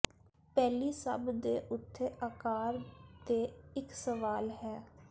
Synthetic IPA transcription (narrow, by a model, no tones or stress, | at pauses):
pɛːliːsə̰bd̪eːʔʊt̪ʰːeːʔaːkaːɾt̪eːɪksəʋaːlɦɛː